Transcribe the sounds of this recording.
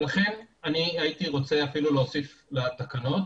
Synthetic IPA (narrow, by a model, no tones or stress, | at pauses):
laχe̞naniait̪iʁo̞t͡se̞afiluleosiflet̪akano̞t̪